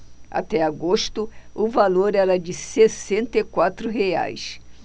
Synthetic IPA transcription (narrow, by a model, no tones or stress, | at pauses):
a̰t̪ɛaɡoʃt̪ʊʊvaloɾɛɾɐd͡ʒɪsesẽnt̪ɐikwat̪ɾʊɦea̰js